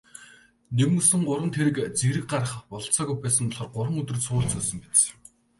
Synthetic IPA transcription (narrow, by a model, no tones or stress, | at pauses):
nemŋɵsɘ̆ŋɢʊɾwə̆nt̪ʰeɾɘ̆kt͡seɾɘ̆k̚ɢarə̆χpɔɮ̆t͡saːɣujpæːsə̆ŋɔɮχɞ̆rɢʊɾə̆ŋɵt̪ɵ̆rsʊːɬt͡sɵːsə̆ŋpet̪t͡s